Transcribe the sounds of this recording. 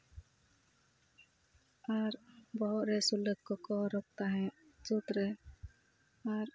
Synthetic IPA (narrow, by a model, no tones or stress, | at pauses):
aɾbɔɦɔʔ̪ɾɛsuləkkɔkɔɾɔk̚t̪aɦɛ̃ | d͡ʒut̪ɾɛ | aɾ